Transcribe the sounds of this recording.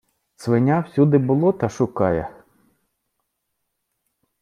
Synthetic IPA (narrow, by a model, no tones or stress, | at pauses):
sʋɪnʲawsʲud̪ɪbʊlˠɔt̪ɐʃʊkɑjɛ̰